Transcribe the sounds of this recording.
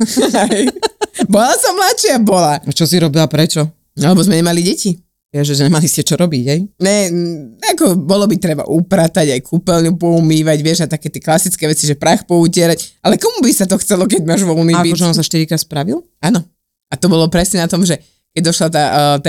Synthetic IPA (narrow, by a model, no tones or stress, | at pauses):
ajbɔlasɔmlatʃɪabɔlaat͡ʃɔsiɾɔbilapɾɛt͡ʃɔ | alɛbɔzmɛɲɛmaliɟɛci | ʋɪɛʒɛzmɛɛmaliscɛt͡ʃɔɾɔbiɟɦɛjɲɛakɔbɔlɔbit̪ɾɛba̰ʔupɾat̪aɟajkʰupɛlɲupɔumiːʋaɟʋɪɛʒat̪akɛːt̪ɪɛklasit͡skɛːʋɛt͡siʒɛpɾaːxpɔucɪɛɾacʔalɛkɔmubisat̪ɔxt͡sɛlɔk̬ɛɟmaːʒʋɔlumikiɔʒɛɔ̃nmsaʃt̪iɾikɾaːt̪spɾaʋil | anɔ | at̪ɔbɔlɔpɾɛsɲɛnat̪ɔmʒɛ | kɛɟd̪ɔʃlat̪at̪